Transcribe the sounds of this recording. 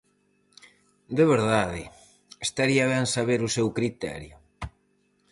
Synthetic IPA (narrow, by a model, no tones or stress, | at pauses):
d̪eβeɾðaðɪ̰ | est̪aɾiaβɛnsaβeɾʊsɛwkɾit̪ɛ̰ɾjʊ